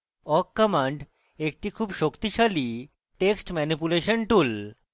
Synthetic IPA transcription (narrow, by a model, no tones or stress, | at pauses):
ɔkːəmaɳɖ | ek̚ʈikʰuːbʃokt̪iʃali | ʈeksʈmɛnipuleʃənʈul